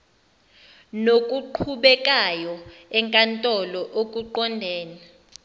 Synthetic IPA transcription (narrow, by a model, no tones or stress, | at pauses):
nokʼuǃʰuɓɛkʼajɔɛŋkʼantʼɔlɔʔokʼuǃɔndʱɛːna